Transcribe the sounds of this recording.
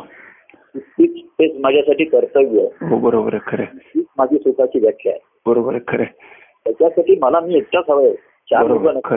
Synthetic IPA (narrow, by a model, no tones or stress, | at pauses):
itːiːt͡spesmad͡ʑʱjasaʈiːt̪əɾt̪əɡjeɦobəɾobəɾkʰəɾeiiːt͡smad͡ʑʱiːsukʰat͡ɕiːʋjəkʰːja̰e | bəɾobəɾkʰəɾe | t̪jat͡ɕjasaʈiːməlamiːek̚tasʰəʋəj | t͡ɕaubənə